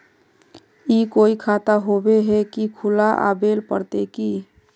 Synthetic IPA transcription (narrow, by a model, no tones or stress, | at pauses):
ikoikʰat̪aɦobeɦɛkikʰʊlaʔa̰belpəɾt̪eki